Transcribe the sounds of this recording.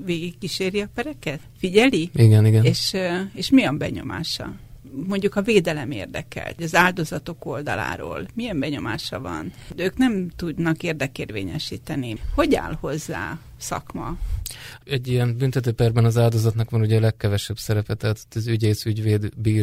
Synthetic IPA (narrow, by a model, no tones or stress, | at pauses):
veːɡikːiʃeːɾiɒpɛɾɛkɛt̪fiɟɛliiɡɛniɡɛneːʃeːʃmiɒmbɛɲo̞̰ma̰ːʃɒ̰mo̞ɲɟukɒveːd̪ɛlɛmḛːrd̪ɛkɛ̰lt̪ɒzaːld̪o̞zɒt̪o̞ko̞ld̪ɒ̰la̰ːɾo̰ːlmiɛmbɛɲo̞maːʃɒvɒ̰nøːknɛmt̪ud̪nɒkeːrd̪ɛkeːrvḛːɲɛʃiːt̪ɛniho̞ɟa̰ːlho̞zːa̰ː | sɒ̰kmɒ̰ | ɛɟːijɛnbynt̪ɛt̪øːpɛrbɛnɒzaːld̪o̞zɒt̪nɒkʋɒnuɟɛːlɛkːɛvɛʃɛbsɛɾɛpɛt̪ɛɦat̪ʰo̥tːɒzyɟeːsyɟveːd̪biːr